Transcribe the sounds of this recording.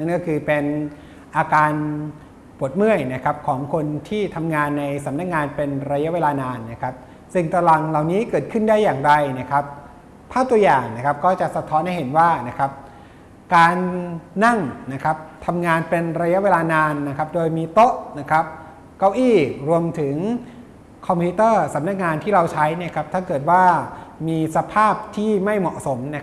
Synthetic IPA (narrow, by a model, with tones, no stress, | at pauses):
na˦˥˩nkɔː˥˩kʰɯː˧pe˧n | ʔaː˧kaː˧n | pu˨˩ət̪̚mɯ˥˩əjna˦˥kʰa˦˥p̚kʰɔː˩˦ŋkʰo˧nt̪ʰiː˥˩t̪ʰa˧mŋaː˧nːa˧jsa˩˦mna˦˥k̚ŋaː˧npe˧nɾa˧ja˦˥weː˧laː˧naː˧nːa˦˥kʰa˦˥p̚ | si˨˩ŋt̪a˧la˨˩ŋla˨˩wniː˦˥kɤː˨˩t̪̚kʰɯ˥˩ndaː˥˩jːaː˨˩ŋda˧jna˦˥˩kʰa˦˥p̚ | pʰaː˥˩t̪u˧əjaː˨˩ŋna˦˥kʰa˦˥p̚kɔː˥˩t͡ɕa˨˩ʔsa˧t̪ʰɔː˦˥nha˥˩jɦe˩˦nwaː˥˩na˦˥kʰa˦˥p̚ | kaː˧nːa˥˩ŋna˦˥kʰa˦˥p̚t̪ʰa˧mŋaː˧npe˧nɾa˧ja˦˥ʔweː˧laː˧naː˧nːa˦˥kʰa˦˥p̚doː˧jmiː˧t̪o˦˥ʔna˦˥kʰa˦˥p̚ | ka˧wʔiː˥˩ɾu˧əmt̪ʰɯ˩˦ŋ | kʰɔ˧mpʰiː˦˥t̪ɤː˥˩sa˩˦mna˦˥k̚ŋaː˧nt̪ʰiː˥˩ɾa˧wt͡ɕʰa˦˥jni˥˩ɐkʰa˦˥p̚t̪ʰaː˥˩kɤː˨˩t̪̚waː˥˩miː˧sa˧pʰaː˥˩p̚t̪ʰiː˥˩ma˥˩jmɔ˨˩ʔso˩˦mna˦˥k